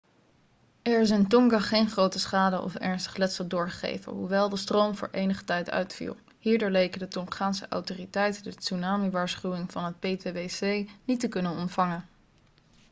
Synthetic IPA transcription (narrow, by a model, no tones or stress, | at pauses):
ɛɹɪs̬ɪntɔŋɡaχejnχrowtəsχaːdəʔɔ̰fɛ̰ɹnstə̥χlɛtsəlˠdʊːɹχə̥χḛjvə̰nɦuʋɛlˠdəstrowmvʊ̰ːɹʔejnəχə̥tɛjtœ̰ɥtfḭlˠ | hiːɹdʊːɹlejkədətɔŋχaːnsəʔa̰wtoːritɛjtədəsunaːmiʋaːɹsχywɪŋv̥ɑnɦət̚pejteʋesejnitəkɵnənɔntfɑŋən